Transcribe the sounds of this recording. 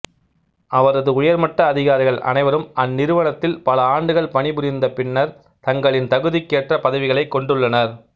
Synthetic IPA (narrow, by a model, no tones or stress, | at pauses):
ʔɐʋɐɾɐðɯʊjɐɾmɐʈːɐːðɪɣaːɾɪɣɐɭʔɐ̰nɐɪʋɐɾɯmɐnːɪɾɯʋɐɳɐt̪ːɪlpɐlɐaːɳɖɯɣɐɭpɐɳɪpʊɾɪnd̪ɐpɪɳːɐɾ | t̪ɐŋɡɐɭɪnt̪ɐɣɯðikːeːʈrɐpɐðɐʋɪɣɐɭɐɪkːɔɳɖɯɭːɐnɐɾ